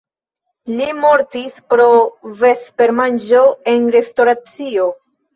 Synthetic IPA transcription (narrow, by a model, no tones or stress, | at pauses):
limo̞ɾtispɾo̞ve̞spe̞ɾmand͡ʒo̞e̞nɾe̞sto̞ɾat͡sio̞